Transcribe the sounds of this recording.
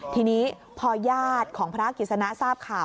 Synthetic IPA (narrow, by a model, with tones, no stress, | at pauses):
t̪ʰiː˧niː˦˥ | pʰɔː˧jaː˥˩t̪̚kʰɔː˩˦ŋpʰɾa˦˥ki˨˩t̪̚sa˧na˦˥ʔsaː˥˩p̚kʰaː˨˩